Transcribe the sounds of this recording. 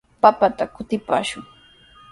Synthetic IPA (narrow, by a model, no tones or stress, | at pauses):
papat̪akʊt̪ɪpa̰ːʃʊŋ